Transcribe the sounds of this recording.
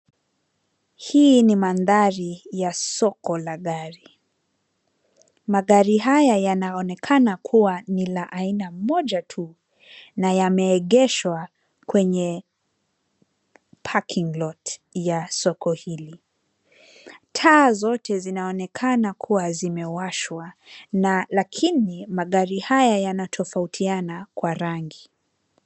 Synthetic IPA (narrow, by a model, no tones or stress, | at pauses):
hiːnimanðaɾijasɔkɔlaɠaɾi | maɠaɾiɦajajanaɔnɛkʰanakʰuwanilaʔainamɔʄatʰu | najamɛːɠɛʃwa | kwɛɲɛ | pʰakʰiŋlɔtjasɔkɔhili | tʰaːzɔtʰɛzinaɔnɛkʰanakʰuwazimɛwaʃwanalakʰinimaɠaɾihajajanatʰɔfautʰianakwaɾaŋɡi